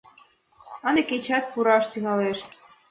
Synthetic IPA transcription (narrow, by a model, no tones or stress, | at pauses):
əneket͡ɕɑt̪̚puɾɑʃt̪yɣɑleʃ